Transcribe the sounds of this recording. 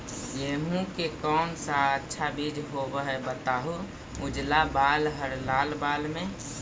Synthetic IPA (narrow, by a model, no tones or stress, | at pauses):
jeɦũkekɔːnsaətːʃʰabid͡ʒɦobəɦɛbət̪aːɦu | mʊd͡ʒlabaːlɦəɾlaːlbaːlmẽ